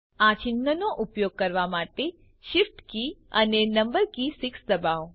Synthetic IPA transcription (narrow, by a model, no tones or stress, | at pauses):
at͡ʃɪnːənoʔupjoɡ̚kəɾʋamaʈe | ʃifʈkiənenəmbəɾkisɪksd̪əbaʋ